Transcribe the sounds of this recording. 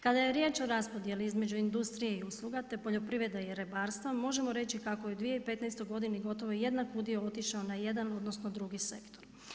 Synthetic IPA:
kad̪aje̞ɾjeːt͡ʃo̞ɾaspo̞d̪je̞liizme̞d͡ʑuind̪ust̪ɾije̞iuslˠuɡat̪e̞po̞ʎo̞pɾiʋɾed̪ajeɾebaːɾst̪ʋamo̞ʒe̞mo̞ɾe̞t͡ʃikako̞jeud̪ʋijeipe̞t̪nɛjst̪oɡo̞d̪iniɡo̞t̪o̞ʋo̞je̞d̪nakud̪ijoot̪iʃaonaje̞d̪ano̞d̪no̞sno̞d̪ɾuɡise̞kt̪o̞ɾ

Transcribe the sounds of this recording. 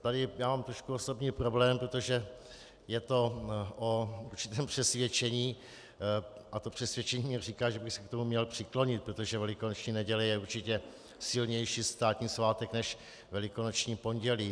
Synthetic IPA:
t̪adɪjaːmaːmt̪ɾo̞ʃkuoso̞bɲiːpɾo̞blɛːmpɾot̪o̞ʒɛ | jɛt̪o̞ʔourt͡ʃɪ̥t̪ɛːmpr̥ɛsvjɛt͡ʃɛɲiː | ʔat̪o̞pr̝̥ɛsvjɛt͡ʃɛɲiːɛr̝ikaːʒɛbɪxsɛkt̪o̞mumɲɛlpr̥ɪklo̞ɲɪt̪̚pɾot̪o̞ʒɛvɛlɪkonot͡ʃɲiːnɛɟɛlɪjɛuɾt͡ʃɪcɛ | sɪlɲɛjʃiːst̪aːt̪ɲiːslaːt̪ɛknɛʃ | vɛlɪko̞not͡ʃɲiːpo̞nɟɛliː

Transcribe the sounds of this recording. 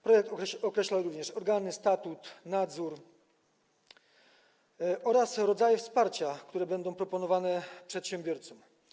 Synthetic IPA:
pɾɔjɛk̚t̪ɔkɾɛɕlawɾuvɲɛʂɔɾɡanɘst̪at̪ut̪nad̪zuɾ | ɔɾasɾɔd̪zajɛfspaɾt͡ɕakt̪uɾɛbɛnd̪ɔ̃w̃pɾɔpɔnɔvanɛpʂɛt̪ɕɛmbʲjɔɾt̪sɔm

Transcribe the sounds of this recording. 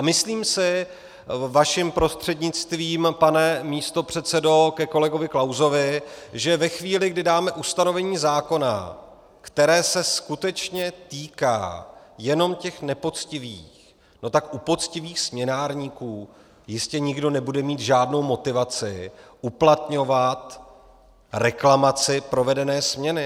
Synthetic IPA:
ʔamɪsliːmsɪ | vaʃɪmpɾo̞st̪r̝̥ɛdɲɪt͡st̪viːmpanɛmiːst̪o̞pr̝̥ɛt̪sɛdo̞kɛko̞lɛɡo̞vɪklawzo̞vɪʒɛvɛxviːlɪɡdɪdaːmɛʔust̪ano̞vɛɲiːzaːko̞na̰ | kt̪ɛɾɛːsɛskut̪ɛt͡ʃɲɛt̪iːka̰ːjɛno̞mcɛxnɛpo̞t͡scɪviːx | no̞t̪akʔupo̞t̪t͡scɪviːxsmɲɛnaːɾɲiːkuː | jɪscɛɲɪɡdo̞nɛbudɛmiːt̪ʒaːdno̞wmo̞t̪ɪvat͡sɪʔuplat̪ɲo̞vat̪ | ɾɛklamat͡sɪpɾo̞vɛdɛnɛːsmɲɛnɪ

